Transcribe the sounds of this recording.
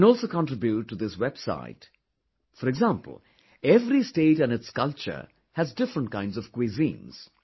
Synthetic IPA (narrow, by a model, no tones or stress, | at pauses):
nɔːlˠsoːkɔ̃nʈɾɪbjuʈːud̪ɪswɛb̥sa̰ɪt | fɔɾɛɡzãmpəl̩ˠ | ɛvɾisʈeːʈæ̃nɨtskʌlt͡ʃə̰ɾ | hæzdɪfɾə̃nʈ̚kãɪ̃nɖzɔv̥kwezḭ̃ːnz̥